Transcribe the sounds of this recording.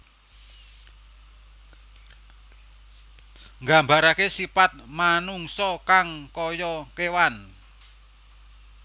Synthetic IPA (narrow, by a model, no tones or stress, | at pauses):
ŋɡambaɾakesipat̪̚manuŋsɔkaŋkɔjɔkewan